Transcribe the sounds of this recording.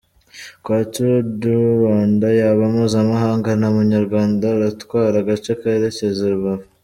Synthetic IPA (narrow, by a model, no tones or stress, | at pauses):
kwaːt͡ʃuduβaːndajaβamuːzamaɦaːŋɡanhamuɲaɾɡwaːndaɾatkwaːɾaɡat͡ʃekaeɾecezeɾuβaβu